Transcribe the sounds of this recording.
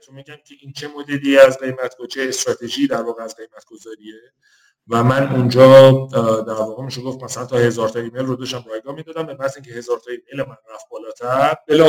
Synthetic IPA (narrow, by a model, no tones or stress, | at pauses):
t̪ʰumiɟæmcʲʰeʔiːnt͡ʃʰe̞mod̪ed̪ijeæzɢe̞jmæt̪ɡ̥o̥t͡ʃʰeːst̪ɾɒːt̪ʰe̞ʒiːd̪æɾvɒːɣeæzɡe̞jmæt̪ɡ̥o̞zɒːɾie | væmænund͡ʒɒː | d̪æɾvɒːɣemiʃeɡo̞ft̪mæsælænt̪ʰɒhe̞zɒːɾt̪ʰɒimejlrod̪ɒʃt̪æmɾɒjɡɒːmind̪ɒːd̪æmbemæziŋcʰehe̞zɒːɾt̪ʰɒːime̞jlemænɾæfbɒːlɒːt̪ʰæɾɾbelɒ